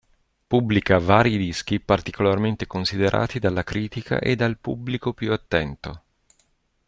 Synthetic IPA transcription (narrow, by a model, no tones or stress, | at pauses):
publikavaːɾjid̪isk̟ipart̪ikolarment̪ekonsid̪eɾʔa̰ːt̪id̪alːakɾiːt̪ikʰa̰ʔed̪ːalpubːlikopjuat̪ːɛnt̪o